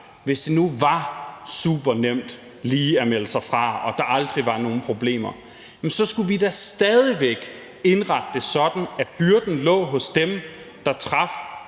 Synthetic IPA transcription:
ʋe̝sd̥enuʋɑ̈suːb̥ɐnem̰d̥ | liːæmel̰əsɑ̈ɪfʁɑ̈ɒ̽d̥ɑ̈ʔɑ̈ld̥ʁiʋɑ̈no̝ːn̩pʰʁo̝b̥le̝̰ːm̰ɐ | jmsɒ̽sɡ̥uʋid̥æsd̥ɛðˠiʋeɡ̥ | e̝nʁɑ̈ɡ̥̚d̥əsɒ̽d̥n̩æb̥yɐd̥n̩lɔ̰̽ːɦɔ̽sd̥em | d̥ɑ̈t͡sʰʁɑ̈f

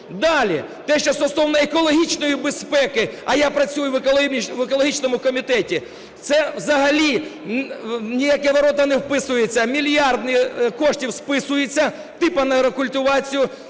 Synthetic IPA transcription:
d̪ɑlʲḭt̪ɛʃt͡ʃɔst̪ɔsɔwnɐekɔlˠɔɦʲit͡ʃnɔjibespɛkɪɐjapɾɐt͡sʲujʊʋˠʋekɔlˠɔɦʲit͡ʃnɔmʊkɔmʲit̪ɛtʲi | t̪sɛwzɐɦɐlʲi | nʲijakɛʋɐɾɔt̪ɐnewpɪsʊjet͡sʲːɐmʲilʲjɑrd̪nɪkɔʃtʲiwspɪsʊjet͡sʲːɐ | t̪ɪpɐnɐɾɔkʊlʲt̪ʊʋɑt͡sʲijʊ

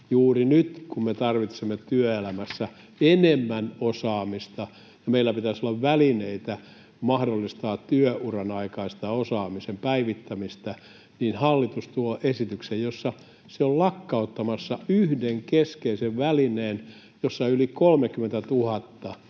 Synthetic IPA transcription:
juːrinyt̪kummet̪ɑrʋit̪semːet̪yøelæmæsːæ | enemːænosɑːmist̪ɑ | jɑmeilːæpit̪æsolːɑʋʋælineit̪æ | mɑhdolːist̪ɑːtt̪yøʔurɑnɑikɑist̪ɑosɑːmisempæiʋit̪ːæmist̪æ | niːnhɑlːit̪ust̪uoʔesit̪yksejjosːɑ | seollɑkːɑot̪ːɑmɑsːɑyhdeŋkeskeiseʋʋælineːn | josːɑylikolmekymːˑent̪æt̪uhɑt̪ːɑ

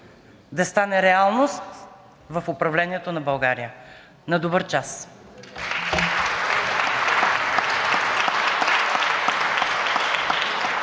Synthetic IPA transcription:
d̪ɐst̪anɛɾɛalˠnost̪ | vɐfʊpɾɐvlɛniɛt̪onɐbɐlˠɡaɾijə | nɐd̪obɤɾt͡ʃas

